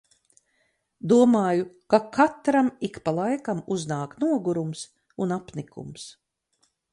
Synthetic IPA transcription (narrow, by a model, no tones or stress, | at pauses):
d̪uɔmaːjukakʰat̪ɾamikpalˠajkamuznaːknuɔɡuɾums | unapnikʰṵms